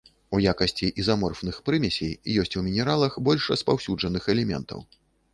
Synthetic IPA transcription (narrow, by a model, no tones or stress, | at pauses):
ujakɐsʲt͡sʲiʔizamɔrfnɨxpɾɨmʲɛsʲejjɔsʲt͡sʲumʲinʲɛɾalˠɐxbɔlʲʂrɐspawsʲud͡ʐɐnɨxɛlʲɛmʲɛ̰nt̪ɐ̰w